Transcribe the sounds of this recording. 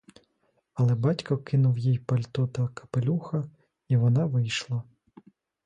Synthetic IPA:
ɐlˠɛbɑtʲkɐkɪnʊwjijpɐlʲt̪ɔt̪ɐkʰɐ̥pelʲuxɐ | iʋɔnɑʋɪjʃlˠɐ

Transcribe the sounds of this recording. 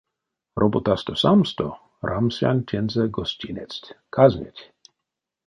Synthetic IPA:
ɾʔobot̪ast̪osamst̪o | ɾʔamsja̰nʲtʲɛnzɛɡɔsʲtʲinʲɛt͡stʲkʰazmʲḛtʲ

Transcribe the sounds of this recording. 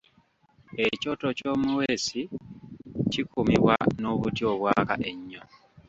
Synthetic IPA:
eco̞to̞co̞ːmuweːsi | cikumiβwa̰noβutjoβwaːka̰ʔeɲːo

